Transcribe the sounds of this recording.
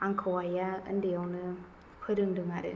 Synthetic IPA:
aŋkʰawajaɯ̰ndijawnɯ | pʰɯɾɯŋdɯŋaɾɯ̰

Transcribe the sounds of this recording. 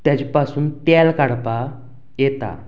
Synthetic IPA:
t̪jat͡ɕipasuːnt̪alkaɽpa | jɛt̪a̰

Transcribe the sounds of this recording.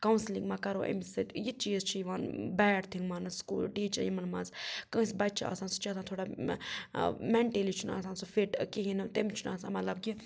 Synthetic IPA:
kɐwnslĩŋɡmãːkɐɾoːʔɐ̰misɨt̪jit͡ʃiːzt͡ʃʰijiʋanbɛːɖt̪ʰiŋɡmanɨskuːlɖiːt͡ʃɐ̰jimɐnmɐ̰nzkə̃sbɐt͡ʃʰa̰ːsaːnsu̥t͡ʃat̪aːnt̪ʰoːɽaː | mɛɳʈeːlit͡ʃʰuna̰ːsaːnsufiʈkiɦinɨt̪emt͡ʃʰunaːsaːmɐt̪lɐbki

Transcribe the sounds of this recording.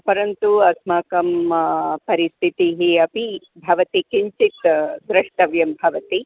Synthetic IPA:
pɐɾɐnt̪uɐsmɐkɐmpɐɾist̪ʰit̪iɦiɐpi | bʱɐʋɐt̪ikiɲt͡ʃit̪d̪ɾɐʂʈɐʋjɐmbʱɐʋɐt̪i

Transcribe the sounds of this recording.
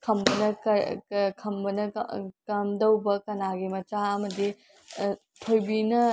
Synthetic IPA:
kʰɐmbɐnɐkɐkʰɐmbɐnɐkɐmdɐwbɐkɐnaɡimɐt͡ʃaɐmɐdi | tʰojbinɐ

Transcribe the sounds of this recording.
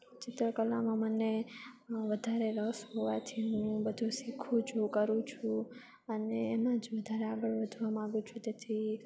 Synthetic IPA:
t͡ʃɪt̪ɾəkəlːamãməne | ʋəd̪ʱaɾeɾəsɦoʋat̪ʰiɦũbəd̪ʱũsikʰũt͡ʃʰũkəɾũt͡ʃʰũ | əneːmãd͡ʒʋəd̪ʱaɾeaɡəɭʋəd̪ʱuamãɡũt͡ʃʰũt̪et̪ʰi

